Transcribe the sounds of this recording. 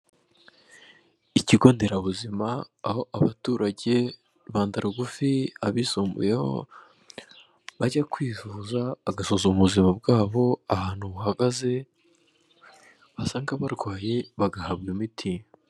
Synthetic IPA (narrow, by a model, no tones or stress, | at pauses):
iciɡo̞ːnde̞ɾaβuzimaːho̞ʔaβatuːɾaɟe̞ | βaːndaɾuɡufiaβisuːmbṵje̞ho̞̰ | βaɟakwiːzuːzaaɡasozouβuzimab̚ɡaːβo̞ahaːn̥huβuɦaɡaze̞ | βasaːŋɡaβaɾɡwaːjeβaɡahabɡimitʰi